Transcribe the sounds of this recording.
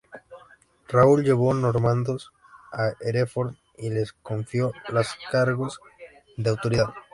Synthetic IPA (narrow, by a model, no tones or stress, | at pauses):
rauld͡ʒeβonoɾmãnd̪os | aeɾefoɾ | ileskoɱfjolaskaɾɣoz | ðeawt̪oɾiðað